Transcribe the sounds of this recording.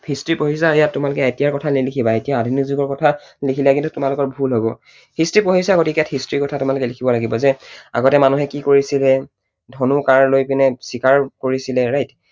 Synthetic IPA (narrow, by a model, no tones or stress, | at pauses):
pʰistɹipoɦisajatːumalʊkɛetijaɹkɔtʰalilikʰibaetijaːdʱinizuɡɔɹkɔtʰalikʰilakĩntutumalʊkɔɹbʱulɦobɔ | histɹipoɦisakotikijathistɹikɔtʰatumalʊkɛlikʰibɔlaɡibɔzɛa̰ɡɔtɛmanuɦɛkikoɹisilɛ | dʱɔnukaɹlojpinɛsikaɹkoɹisilɛɹajt